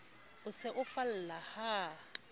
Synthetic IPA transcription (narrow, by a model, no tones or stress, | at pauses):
ʊsɪʔʊfal̩laha